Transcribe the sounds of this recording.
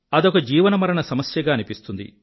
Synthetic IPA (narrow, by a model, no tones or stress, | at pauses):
ɐd̪ɔkɐd͡ʒiːʋɐnɐmɐɾɐɳɐsɐmɐsjɐɡaːɐnipist̪und̪ḭ